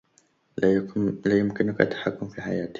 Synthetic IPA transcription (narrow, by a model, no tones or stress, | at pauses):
laːjʊmkɪnʊkʔat̪ːḁħakːʊmfiːħajaːt̪